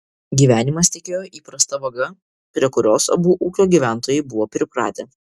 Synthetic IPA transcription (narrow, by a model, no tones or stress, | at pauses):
ɡʲiːʋʲæːnʲɪmɐst̪ʲɛkʲeːjoːʔiːpɾɐst̪ɐʋɐɡɐ | pʲɾʲiɛkʊɾʲoːsɐ̰buːʔuːkʲoːɡʲiːʋʲæˑnt̪oːjɛɪbʊʋoːpʲɾʲɪpɾɑ̰ːt̪ʲe